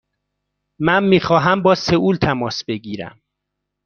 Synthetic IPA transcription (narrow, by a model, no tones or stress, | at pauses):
mænmiːxɒːɦæmbɒːseuːlt̪ʰæmɒːsbe̞ɟiːɾæ̰m